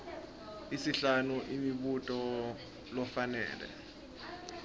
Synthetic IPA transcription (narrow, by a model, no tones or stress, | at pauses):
isiɬanuʔimiɓutʼɔ | lɔfanɛ̰ːlɛ̰